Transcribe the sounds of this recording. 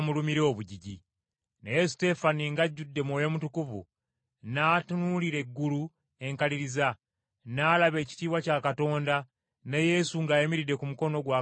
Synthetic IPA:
mulumiɾeoβuɟiɟi | nejeste̞faniŋɡaɟːudːe̞mwoːjo̞mutukuvṵ | naːtunuliɾe̞ɡːulu | e̞ŋkaliɾiza | naːlaβe̞ːci̥tiːβwacaːkato̞ːnda | neje̞suŋɡaːjemiɾide̞kumuko̞no̞ɡwa

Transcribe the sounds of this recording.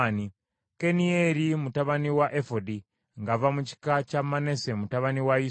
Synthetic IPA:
ni | kenieɾimutaβaniwaʔefodi | ŋɡavamut͡ʃi̥kat͡ʃamanesemutaβaniwaji

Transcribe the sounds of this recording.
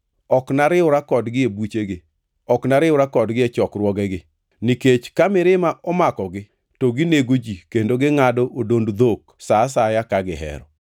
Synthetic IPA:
ɔknaɾɪʊɾakɔdɡɪebut͡ʃeɡɪ | ɔknaɾɪʊɾakɔdɡɪɛt͡ʃɔkrwɔɡɛɡɪ | niket͡ʃkamɪɾɪmaʔɔmakɔɡɪ | toɡɪneɡod͡ʒikendoɡɪŋadɔʔodondd̪ok | sas̬ajakaɡɪɦɛ̰ɾɔ

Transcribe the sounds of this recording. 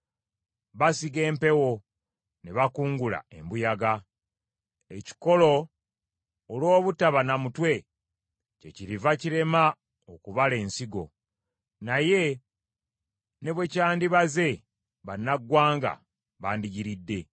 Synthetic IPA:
βasiɡe̞ːmpe̞wo̞ | neβakuːŋɡula̰e̞mbujaɡa | eci̥ko̞lo̞ | lwo̞ːβutaβanamutwe̞ | ce̞̰ciɾivaciɾe̞ma | okuβale̞ːnsiɡo̞̰ | naje̞ | ne̞βwe̞caːndiβaze̞ | βanːaɡwaːŋɡa̰ | βaːndiɟiɾidːe̞

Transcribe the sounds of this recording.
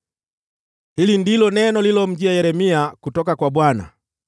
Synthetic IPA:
hilindilɔnɛnɔlilɔm̩d͡ʒiajɛɾɛmiakutɔkakwabwana̰

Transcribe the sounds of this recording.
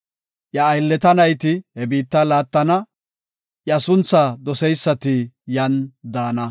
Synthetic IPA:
ʔjɐːjlːɛt̪ɐnɐjt̪ɪhɛbiːt̪ːɐlaːt̪ːɐnɐ | ʔjɐsʊnt͡sːɐd̪ɔsɛjsːɐt̪ɪjɐnd̪aːnɐ

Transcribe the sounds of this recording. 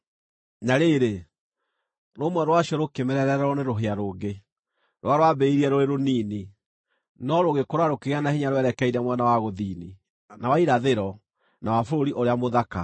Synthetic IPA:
naɾeːɾe | ɾomwɛɾwaɕiɔɾokemɛɾɛɾɛɾɛɾɔneɾoɦeaɾoːɡe | ɾwaɾwabɛiɾiɛɾoeɾoniːni | nɔɾoɣekoɾwaɾokeɣeanahiɲaɾowɛɾɛkɛiɾɛmwɛnawaɣoðiːni | nawaiɾaðeɾɔ | nawafoɾoɾiʔoɾeamoðaka

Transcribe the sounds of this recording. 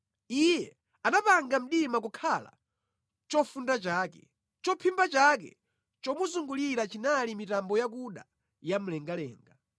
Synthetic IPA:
ijɛ | anapaŋɡam̩ɗimak̬ukʰala̰ | t͡ʃɔfundat͡ʃaːkɛ̰ | t͡ʃɔpʰimbat͡ʃak̬ɛ̰ | t͡ʃɔmuzuŋɡuliɾat͡ʃinalimitambɔjak̬uɗa̰ | jam̩lɛŋɡalɛ̰ːŋɡa

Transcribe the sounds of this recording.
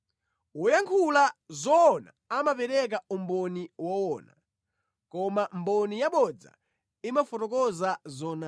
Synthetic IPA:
wɔjaŋkʰulazɔːna̰ | amapɛɾɛk̬aumbɔniwɔwɔːna̰ | kɔmambɔnijaɓɔd͡za̰ | imafɔtɔkɔzazɔːna

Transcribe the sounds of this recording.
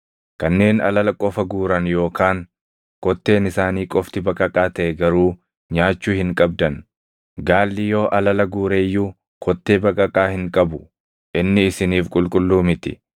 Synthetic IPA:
kɐnːe̞ːnɐ̰lɐlɐkʼɔfɐɡuːɾɐnjo̞ːkaːŋ | kɔt̪ːe̞ːnɪsaːniːkʼɔft̪ɪbɐkʼɐkʼaːt̪ɐʔɛɡɐɾuː | ɲaːt͡ʃːuːhɪŋkʼɐb̚d̪ɐn | ɡaːlːɪjo̞ːʔɐlɐlɐɡuːɾe̞ːjːuː | kʰɔt̪ːe̞ːbɐkʼɐkʼaːhɪŋkʼɐbʊ | ʔɪnːɪɪsɪniːfkʼʊlkʼʊlːuːmɪt̪ɪ

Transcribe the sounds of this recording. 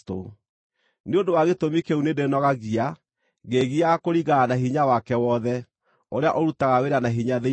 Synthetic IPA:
to̰ | neondowaɣetomikeunedenɔɣaɣia | ɣeɣiakoɾiɣaanaɦiɲawakɛwɔðɛ | oɾea̰ʔɔɾutaɣaweɾanaɦiɲaðe

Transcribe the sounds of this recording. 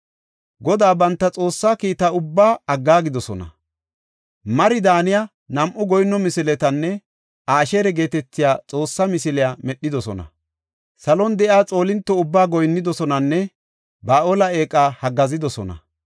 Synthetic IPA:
ɡɔd̪aːbɐnt̪ːɐt͡sʼo̞ːsːaːkiːt̪aʊbːaːɐɡːaːɡɪd̪ɔsɔnɐ̰ | mɐɾɪd̪aːnɪja | nɐmʔʊɡɔjnːɔmɪsɪlɛt̪ɐnːɛ | aːʃeːɾɛɡe̞ːt̪ɛt͡sːɪjaːt͡sʼo̞ːsːamɪsɪlɪjaːmɛɗːɪd̪ɔsɔ̰nɐ̰ | sɐlɔnd̪ɛʔɪaːt͡sʼo̞ːlɪnt̪ːɔʊbːaːɡɔjnːɪd̪ɔsɔnɐnːɛ | baːʔoːlɐe̞ːkʼːaːhɐɡɐzɪd̪ɔsɔ̰nɐ̰

